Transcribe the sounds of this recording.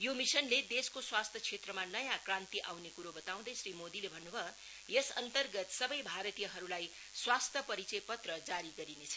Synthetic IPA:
jomisʌnled̪eskoswast̪ʰjʌkt͡sʰet̪rʌmanʌjãkrãnt̪iʔawnekuɾobʌt̪aw̃d̪ʌjsɾimod̪ilebʱʌnːubʱʌ | jʌsʌ̰nt̪ʌrɡʌt̪sʌbʌjbʱaɾʌt̪ijʌɦʌɾulaj | swast̪ʰjʌpʌɾit͡sʌjpʌt̪rʌd͡zaɾiɡʌɾinet͡sʰʌ̥

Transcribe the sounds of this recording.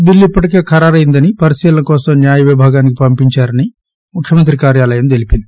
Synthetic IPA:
bilːipːɐʈike̞ːkʰɐɾaːɾɐjind̪ɐnipɐɾisiːlɐnɐkɔːsɐmnjaːjɐʋibʱaːɡaːnikipɐmpiɲt͡ʃaːɾɐni | mukʰjɐmɐnt̪ɾikaːɾjaːlɐjɐmt̪e̞lipind̪i

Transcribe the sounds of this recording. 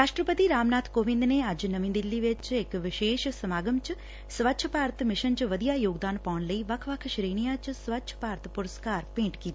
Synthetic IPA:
ɾaːʃʈɾəpət̪iɾaːmnaːt̪ʰkoːʋɪ̃nd̪neaːd͡ʒnəʋĩnd̪ɪlːiʋɪt͡ʃekʋɪʃeːʃsəmaːɡəmt͡ʃ | sʋətːʃʰəpaːɾt̪ʰmɪʃənt͡ʃʋəd̪ijajoːɡd̪aːnpaːnləiʋɐkʰʋɐkʰʃɾiːɳ̃ijat͡ʃsʋətːʃʰə̥paːɾt̪ʰpʊɾəskaːɾpẽːɳʈkiːt̪i

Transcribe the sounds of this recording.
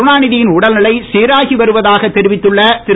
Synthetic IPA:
ɳaːnɪðɪjɪnʊɽɐlnɪɭɐɪseːɾaːɣiʋɐɾɯʋɐðaːɣɐt̪ːɛɾɪʋɪt̪ːɯɭːɐt̪ɪ

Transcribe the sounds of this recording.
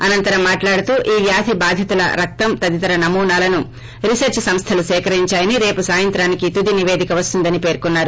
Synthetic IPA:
ɐnɐnt̪ɐɾɐmːaːʈlaːɽut̪uːʔiːʋjaːt̪ʰibaːd̪ʱjɐt̪ulɐ̰ɾɐk̚t̪ɐmt̪ɐd̪it̪ɐɾɐnɐmuːnaːlɐnu | ɾisɐɾt͡ʃsɐmst̪ʰɐlusɛːkɐɾiɲt͡ʃaːjɐniɾe̞ːpusaːjɐnt̪ɾaːnikit̪ud̪iniʋeːd̪ʱikɐʋɐst̪und̪ɐnipe̞ːɾkunːaːɾu

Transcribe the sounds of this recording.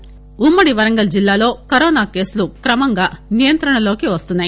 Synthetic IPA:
umːɐɽiʋɐɾɐŋɡɐld͡ʒilːaːlo̞ːkɐɾɔːnaːke̞ːsulukɾɐmɐŋɡaːnijɐnt̪ɾɐɳɐlo̞ːkiʋɐst̪unːaːji

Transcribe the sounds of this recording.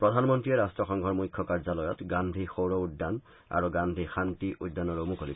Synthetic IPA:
pɹɔdʱanmɔntɹiɛɹastɔxɔŋɡʱɔɹmujkʰːɔkaɹzalɔjɔtɡandʱixowɹɔudːan | a̰ɹuɡand̪ʱixantiʔudːanɔɹomukoli

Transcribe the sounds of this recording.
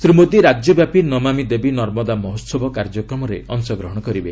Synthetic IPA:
sɾimod̪iɾad͡ʒjɔbjapinɔmamid̪ebinɔɾmɔd̪amɔɦot̪sɔbʱɔkaɾd͡ʒɔkɾɔmɔɾḛɔŋsɔɡɾɔɦɔɽ̃ɔkɔɾibe

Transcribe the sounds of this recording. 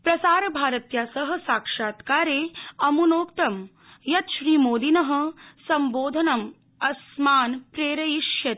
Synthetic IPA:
pɾɐsaːɾbʱaːɾɐt̪jaːsɐɦɐ̆saːkʂaːt̪kaːɾeːɐmunoːkt̪ɐm | jɐt̪ʃɾiːmoːd̪inɐɦə̆sɐmboːd̪ʱɐnɐm | ɐsmaːnpɾeːɾɐjiʂjɐt̪

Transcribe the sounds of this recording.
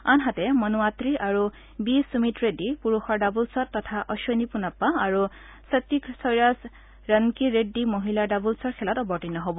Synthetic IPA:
anɦatɛmɔnuatɹiʔaɹu | bisumitɹedipuɹuxɔɹdabulsɔtːɔtʰaʔɔʃɔnipunapːaːɹu | sat̪ːiksɔjɹas | ɹankiɹedːimoɦiladabulsɔɹkʰɛlɔtɔbɔɹtinɔɦobɔ

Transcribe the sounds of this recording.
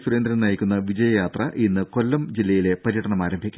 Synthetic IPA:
suɾend̪ɾɐnɐjikʲːunːɐʋid͡ʑɐjɐjaːt̪rɐʔinːɨko̞lːɐmd͡ʑilːɐjile̞pɐɾijɐʈɐɳɐmaːɾɐmbʱikʲːu

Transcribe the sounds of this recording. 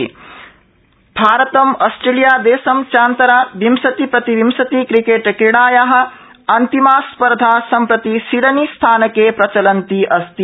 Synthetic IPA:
bʱaːɾɐt̪ɐmɔːsʈɾelijaːd̪eːsɐmt͡ʃaːnt̪ɐɾaːʋimsɐt̪ipɾɐt̪iʋimsɐt̪ikɾikeːʈkiɽaːjaɦɐ̆ | ɐnt̪imaːspɐɾd̪ʱaːsɐmpɾɐt̪isiɽɐnist̪ʰaːnɐkeːpɾɐt͡ʃɐlɐnt̪iʔɐst̪i

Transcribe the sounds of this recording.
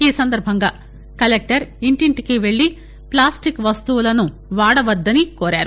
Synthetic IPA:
iːsɐnd̪ɐɾbʱɐŋɡaː | kɐlek̚ʈɐɾiɳʈiɳʈikiʋe̞ɭːi | plaːsʈikʋɐst̪uʋulɐnu | ʋaːɽɐʋɐd̪ːɐnikoːɾaːɾu

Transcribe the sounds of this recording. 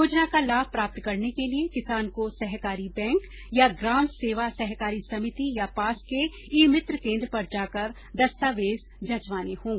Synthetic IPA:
joːd͡ʒnakalaːbpɾaːp̚t̪kɐɾnekeliekɪsaːnkosɛɦkaːɾibɛ̃ːŋk | jaɡɾaːmseːʋasɛɦkaːɾisɐmɪt̪ijapaːske | iːmɪt̪ɾəkẽːnd̪ɾəpɐɾd͡ʒaːkɐɾ | d̪ɐst̪aːʋeːz | d͡ʒɐ̃t͡ʃʋaːnehõːɡ

